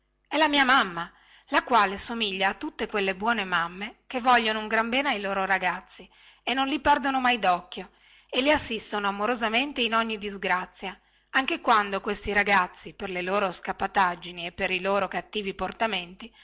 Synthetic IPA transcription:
ɛlamiːamamːa | lakwaːlesomiʎːaːt̪ːut̪ːekwelːebwɔːnemamːekevːɔʎːonouŋɡɾambɛːneajloːɾoɾaɡat̪sːi | enːonlipɛrd̪onomajd̪ɔkːjo | eliasːist̪onoamoɾozament̪einɔɲːid̪izɡɾat̪sːja | aŋk̟ekwand̪okwest̪iɾaɡat̪sːiperleloːɾoskapːat̪ad͡ʒːiniepːeɾiloːɾokat̪ːiːviport̪ament̪i

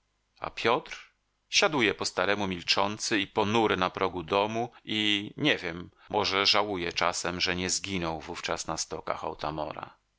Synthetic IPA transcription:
a̰pʲjɔt̪ɾ | ɕad̪ujɛpɔst̪aɾɛmumʲilt͡ʂɔnt̪sɘipɔnuɾɘnapɾɔɡud̪ɔmuiɲɛvʲjɛmː | ɔʐɛʐawujɛt͡ʂasɛmʐɛɲɛzɡʲinɔwvuft͡ʂasnast̪ɔka̰xa̰wt̪a̰mɔ̰ɾa̰

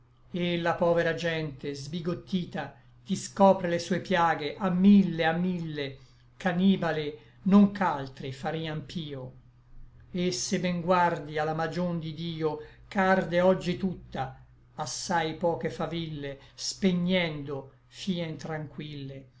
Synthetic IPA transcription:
elːapɔːveɾad͡ʒɛnt̪ezbiɡot̪ːiːt̪a | t̪iskɔːpɾelesuːepjaːɡeʔamːilːeamːilːe | kaniːbale | noŋkalt̪ɾifaɾiːampʰiːo | esːebɛŋɡward̪ialːamad͡ʒond̪id̪iːokard̪eɔd͡ʒːit̪ut̪ːaː | sːajpɔːkefavilːespeɲːɛnd̪o | fiːent̪ɾaŋkwilːe

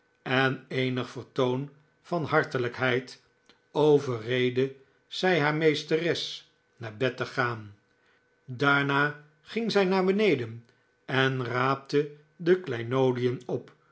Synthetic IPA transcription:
ɛnejnəχfəɹtown | fɑnɦɑɹtələkɦɛjt | owvərejdə | z̥ɛjɦaːɹmejstərɛs | naːɹbɛtəχaːn | daːɹnaː | χɪŋzɛjnaːɹbənejdən | ɛnraːp̚tə | dəklɛjnowdijənɔp

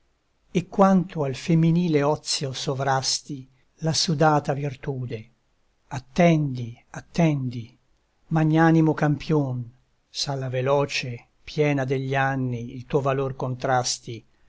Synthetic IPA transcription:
ekːwant̪oalfemːiniːleɔt̪sːjosovɾast̪i | lasud̪aːt̪avirt̪uːd̪e | at̪ːɛnd̪iat̪ːɛnd̪i | maɲːaːnimokampʰjon | salːavelɔːt͡ʃe | pjɛːnad̪eʎːianːiilt̪uːovalorkont̪ɾast̪i

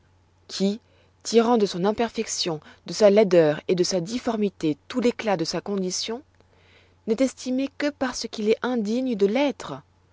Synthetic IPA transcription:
kʲʰi | t̪iʁɑ̃d̪əsɔ̃nɛ̃pɛʁfɛksjɔ̃d̪əsalɛd̪œːʁed̪əsad̪ifɔʁmit̪et̪uleklad̪əsakɔ̃d̪isjɔ̃ | nɛt̪ɛst̪imekəpaʁsəkʲilɛʔɛ̃d̪iɲəd̪əlɛt̪χə

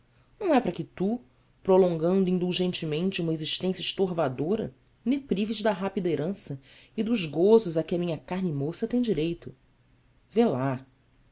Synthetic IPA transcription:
nɐ̃w̃ɛpɾɐkɪt̪u | pɾolõŋɡɐ̃nd̪ʊĩnd̪uʒẽnt͡ʃɪmẽnt͡ʃɪũmɐeziʃt̪ẽsjɐɪʃt̪oɦvad̪oɾɐ̰ | nepɾiviʃd̪ɐɦapid̪ɐeɾɐ̃sɐɪd̪ʊzɡozʊzɐkɪɐmĩɲɐkaɦnɪmosɐt̪ẽj̃d͡ʒiɾejt̪ʊ | vela

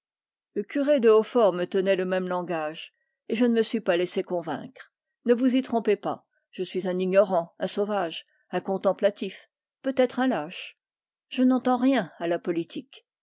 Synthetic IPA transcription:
ləkʲyʁed̪əofɔʁmət̪ənɛləmɛmlɑ̃ɡaʒ | eʒənəməsɥipalɛsekɔ̃vɛ̰̃kχ | nəvuzit̪χɔ̃pepa̰ | ʒ̥əsɥizɛ̃niɲɔʁɑ̃ɛ̃sovaʒ | ɛ̃kɔ̃t̪ɑ̃plat̪if | pøt̪ɛt̪χɛ̃laʃ | ʒ̥ənɑ̃t̪ɑ̃ʁjɛ̃alapɔlit̪ʰik

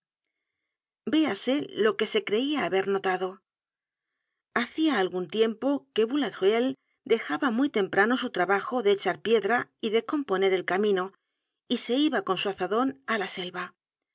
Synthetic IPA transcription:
be̞ase̞lo̞ke̞se̞kɾe̞iaːβe̞ɾno̞t̪aðo̞ | aθiaːlɣunt̪je̞mpo̞ke̞βulat̪ʁel | d̪e̞xaβamujt̪e̞mpɾano̞sut̪ɾaβaxo̞ðe̞ːt͡ʃaɾpje̞ðɾaiðe̞ko̞mpo̞ne̞ɾe̞lkamĩno̞ | ise̞iβako̞nsuaθaðo̞nalase̞lβa

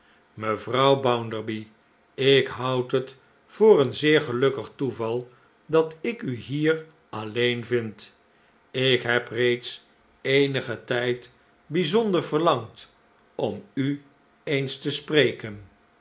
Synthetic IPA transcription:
məvrʌwbʌwndəɹbi | ɪkɦʌwtɦət | fʊːrənzɪːɹχəlɵkəχtuvɑlˠ | dɑtɪkyɦiːr | ʔɑlejnvɪnt | ɪkɦɛprejts | ejnəχətɛjt | bizɔndəɹvəɹlɑŋt | ɔmy | ejnstəsprejkən

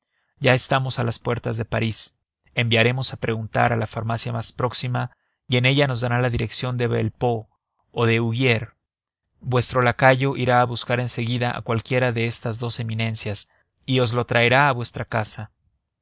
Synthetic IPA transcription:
ɟ͡ʝaest̪amo̞salaspwe̞ɾt̪azðe̞paɾis | e̞mbjaɾe̞mo̞sapɾe̞ɣunt̪a̰ɾalafaɾmasjamaspɾo̞ksima | ie̞ne̞ʝano̞zðaɾalaðiɾe̞ksjo̞nd̪e̞βḛlpo̞ː | ðe̞uɣje̞ɾ | bwe̞st̪ɾo̞lakaʝo̞ʔiɾaːβuskaɾe̞nse̞ɣiðaʔa̰kwalkje̞ɾaðe̞est̪azðo̞se̞mĩnẽ̞nsjas | io̞zlo̞t̪ɾae̞ɾaːβwe̞st̪ɾakasa

